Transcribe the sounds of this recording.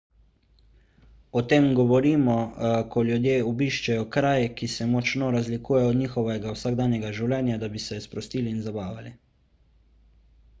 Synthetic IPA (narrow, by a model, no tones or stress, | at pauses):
ɔt̪eːmɡɔʋɔɾiːmɔkʰɔljud̪jeːɔbiːʃt͡ʃɛjɔkɾaːjɛkisɛmɔt͡ʃnɔɾazlikuːjɛjɔd̪ɲiːxɔʋɛɡawsaɡd̪aːnjɛɡaʒiwlʲɛnjad̪abisɛspɾɔst̪iːliːnzabaːʋali